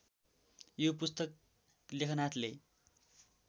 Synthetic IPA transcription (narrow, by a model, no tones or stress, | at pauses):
jop̬ust̪ʌk̚ | lekʰʌnat̪ʰle